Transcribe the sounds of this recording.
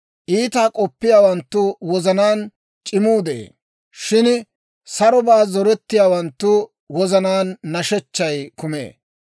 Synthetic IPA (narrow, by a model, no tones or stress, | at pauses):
ʔiːt̪aːkʼɔpːɪjaːwɐnt̪ːʊwɔzɐnaːn | t͡ʃʼɪmuːd̪ɛḛː | ʃɪn | sɐɾɔbaːzɔɾɛt̪ːɪjaːwɐnt̪ːʊ | wɔzɐnaːnːɐʃɛt͡ʃːɐjkʊmḛː